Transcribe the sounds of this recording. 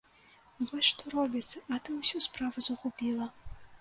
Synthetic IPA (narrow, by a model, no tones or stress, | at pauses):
vɔsʲʂt̪ɔɾɔbʲit̪sɐʔɐt̪ɨusʲuspɾavɐzuxupʲilˠɐ